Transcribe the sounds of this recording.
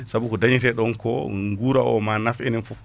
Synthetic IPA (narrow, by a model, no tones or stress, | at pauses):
sabukɔdaɲitɛɗɔnkɔŋɡuɾaɔ̰manafɛnɛnfu